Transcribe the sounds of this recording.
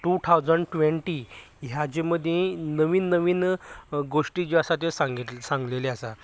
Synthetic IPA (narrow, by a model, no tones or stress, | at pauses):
ʈut̪ʰawd͡zəɳɖʈʋeɳʈiɦjad͡ʑeməd̪ʱjẽnəʋiːnːəʋiːnɡoʂʈid͡ʑeasat̪̬esaŋɡit̪sãŋɡleleasa